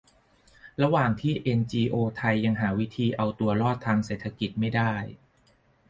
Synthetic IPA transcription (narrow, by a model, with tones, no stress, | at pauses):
ɾa˧waː˨˩ŋt̪ʰiː˥˩ʔe˧nt͡ɕiː˧ʔoː˧t̪ʰa˧jːa˧ŋɦaː˩˦wi˦˥t̪ʰiː˧ʔa˧wt̪u˧ɐɾɔː˥˩t̪ʰːaː˧ŋseː˨˩t̪ʰa˧ki˨˩t̪̚ma˥˩jdaː˥˩j